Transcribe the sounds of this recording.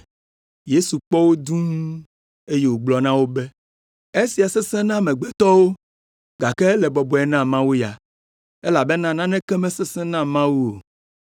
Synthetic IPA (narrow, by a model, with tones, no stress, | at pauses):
je˦su˨k͡pɔ˦wo˦d̪ũ˦ŋũ˦ | e˦je˨wo˨ɡ͡blɔ˨nã˦wo˦bɛ˦ | e˦si˨a˨sɛ˦sɛ̃˦nã˦mɛ̃˨ɡ͡bɛ˦t̪ɔ˦wo˦ | ɡa˨kɛ˦lɛ˨bɔ˨bɔ˨ɛ˨nã˦mã˦wu˦ja˨ | e˦la˨be˦nã˦nã˦nɛ̃˦kɛ˦mɛ̃˦sɛ˦sɛ̃˦nã˦mã˦wu˦o˨